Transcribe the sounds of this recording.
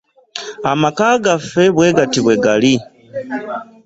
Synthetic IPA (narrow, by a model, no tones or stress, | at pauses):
amakaːɡafe̞βweːɡatiβwe̞ɡali